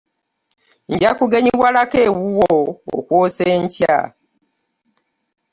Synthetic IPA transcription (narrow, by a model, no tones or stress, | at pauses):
ɲ̩ɟakuɡeɲiβwalakewuwoo̰kwoːseɲcja̰